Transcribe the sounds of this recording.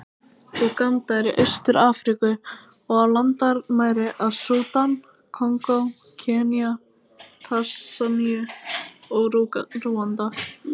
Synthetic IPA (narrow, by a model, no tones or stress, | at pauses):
rukant̪aɛɾɪʔœɥst̪ʏɾaːfɾikʏ | ɔɣalant̪aɾmaːjɾɪʔaðsuːt̪an | kʰɔŋkow | cʰɛːnia | t̪ʰasaniʏ | ɔɣruːant̪a